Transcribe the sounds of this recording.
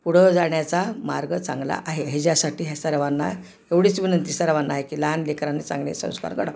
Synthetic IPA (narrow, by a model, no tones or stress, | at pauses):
puɽ̤əd͡zaɳjat͡sama̰ɾɡət͡sã̰ŋɡla̰ʔaɦeɦed͡ʑjasaʈiːɦesəɾʋanːa̰ | eʋɽiːt͡sʋinənt̪isəɾʋanːaɦekiːlaanlekɾanːet͡sa̰ŋɡlḛsə̰̃w̃ska̰ɾkəɽa